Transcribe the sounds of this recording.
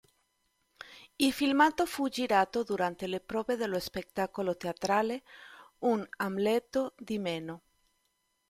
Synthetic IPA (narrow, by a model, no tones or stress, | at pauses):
ilfilmat̪ofud͡ʒiɾat̪od̪uɾant̪elepɾɔːbeðeloespekt̪akolot̪eat̪ɾaleunamlɛt̪od̪imeno